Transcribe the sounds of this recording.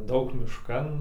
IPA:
ˈdɐʊk mʲɪʃˈkɐn

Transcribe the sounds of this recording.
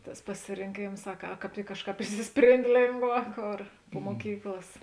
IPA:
ˈtɐs pɐsʲɪrʲɪŋʲˈkʲeːms ɐ kɐ ˈkɑːp ˈtʲɪk ˈkɑːʃˌkɑːp ɪʃʲsʲɪsʲˈpʲrʲeːnʲtʲ ˈlʲeːŋɡˌʋɑː ˈkoːr pʊ muɔˈkʲiːklˠɐs

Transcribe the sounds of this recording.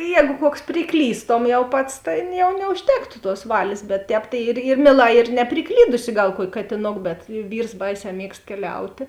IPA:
ˈjɛːɡʊ ˈkuɔks pʲrʲɪˈklʲiːstoːm jɛʊ ˈpɐts ˈtʲeːn jɛʊ nʲɛʊʃʲˈtʲæːktʊ tuɔs ˈʋɑːlʲeːs bʲɛt ˈtʲɛːp tɐɪ ɪr ɪr ˈmʲiɛˌlˠɑː ɪr nʲɛpʲrʲɪˈklʲiːdʊsʲɪ ˈɡɐlˠ ˈkuɔkʲɪ kɐtʲɪˈnoːk bʲɛt ˈʋʲiːrs ˈbɐɪˌsʲɛː ˈmʲiɛkst kʲɛˈlʲɛʊtʲeː

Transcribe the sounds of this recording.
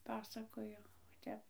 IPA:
ˈpɑːsɐkoːjoː oː ˈtʲɛp

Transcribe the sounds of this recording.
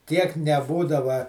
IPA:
tʲiɛk nʲɛˈbuːdɐʋɐ

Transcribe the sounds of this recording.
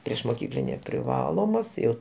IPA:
pʲrʲiɛʃmoːˈkʲiːklʲɪnʲeː pʲrʲɪˈʋɑːlˠoːmɐs ˈjɛʊ

